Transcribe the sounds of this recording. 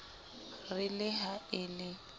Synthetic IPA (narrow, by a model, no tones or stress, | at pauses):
rɪlɪɦaɪlɪ